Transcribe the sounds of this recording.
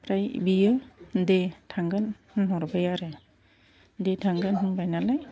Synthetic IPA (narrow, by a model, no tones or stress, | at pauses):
pɾajbijɯdetʰaŋɡanhɯnɦɔɾbajaɾɯ | detʰaŋɡanɦɯnbajnalaj